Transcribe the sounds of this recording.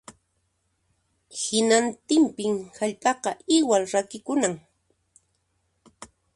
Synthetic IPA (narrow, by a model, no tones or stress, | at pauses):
hɪnant̪ɪmpɪmhaʎpʼɑqɑʔɪwalɾakɪkʊnaŋ